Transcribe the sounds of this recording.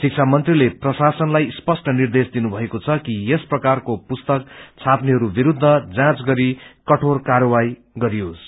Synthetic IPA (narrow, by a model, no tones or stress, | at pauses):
sik̚t͡sʰamʌnt̪rileprʌsasʌnlajspʌsʈʌnird̪esd̪inubʱʌekot͡sʰʌkijesprʌkarkopust̪ʌk̚t͡sʰapneɦʌɾubiɾud̪ʱːʌd͡zãt͡sɡʌɾikʌʈʰorkaɾʌwaj | ɡʌɾijos